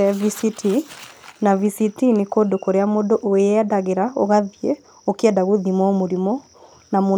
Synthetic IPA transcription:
ɛvisitʰinavisiktinekoːdokoɾeamoːndoʔoadaɣeɾaoɣaðie | okɛdaɣoðimwɔmoɾimɔ | namo

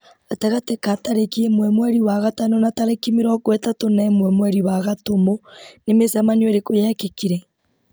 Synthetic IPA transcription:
atɛɣatekataɾekiemwɛmwɛɾiwaɣatanonataɾekimeɾɔkwɛtatonaemwɛmwɛɾiwaɣatomonemesamaniwoɾekojakekiɾɛ

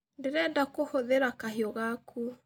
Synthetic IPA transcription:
deɾɛdakohoðeɾakaɦiɔɣakʰu

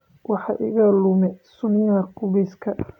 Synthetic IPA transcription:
wɑħɑʔɪ̰ɣɐlʊmɛsʊnɪjɐɐqʊβɛskʰɐ

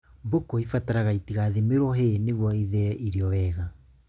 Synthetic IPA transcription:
bokoifataɾaɣaitiɣaðemeɾwɔɦeneɣwɔiðɛiɾeɔwɛːɣa

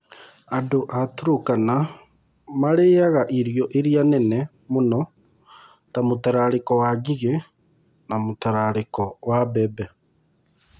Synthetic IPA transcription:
adoʔatuɾokana | maɾeːaɣaʔiɾjɔʔeɾianɛnɛ | monɔ | tamotaɾaɾekɔwaɡiɣe | namotaɾaɾekɔwabɛbɛ

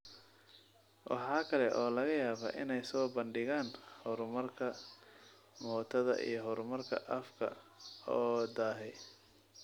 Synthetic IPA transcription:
wʔɑ̰ħɑːkʰɐlɛʔɔːlɐɣɐjaːβa̰ːʔɪnɛjsɔːbɐnɖɪɣaːnhɔɾmɐrkʰɐ | mɔːt̪ʰɐðɐ̰ʔḭjɞɦɔɾmɐrkʰɐ̰ʔɐfkʰɐ̰ɔːd̪aːɦɛ

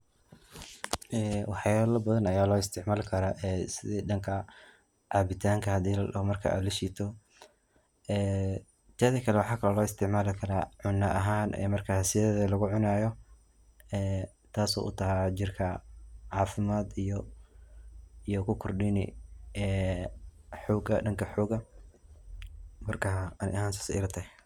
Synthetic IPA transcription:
ʔɛːwɑħjalɐbɐðɐnɐjaːlɔːɪst̪ʰɪʕmaːlkʰɐɾaʔɛːsɪðɛːd̪ɐŋkʰɐ | ʕɑːbɪt̪ʰaːŋkʰɐhɐd̪iːlɐɽɪ̰hɔmɐrkʰɐ̰ʔa̰ːd̪lɐʃiːt̪ʰɔ | ɛː | t̪ʰɐːðɐkʰɐlɛwɑħɑːkʰɐlɐlɔːɪst̪ʰɪʕmaːlɪkʰɐɾaːʕʊnːɐʔɐɦaːnʔɛ̰ːmɐrkʰahɐsɪjɐðɐðɐlɐɣʊʕʊnaːjɔ | ɛː | t̪ʰaːsṵːʔʊt̪ʰɐɦat͡ʃɪrkʰɐʕɑːfɪmaːd̪ijɔ | ijɔkʰʊkʰɔrɖɪnɪ̰ɛː | ħɔːɡɐɖɐŋkʰɐħɔːɡɐ | mɐrkʰɐɐnɪ̰ʔɐhɦaːnsɔ̥sɪ̰ɾɐt̪ʰɛ

